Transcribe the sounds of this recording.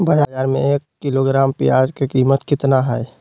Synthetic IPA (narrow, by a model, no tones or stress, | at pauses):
bəd͡ʒad͡ʒaːɾmḛ̃eːkːiloɡɾaːmpijaːd͡ʒkekiːmət̪kɪt̪naɦɛj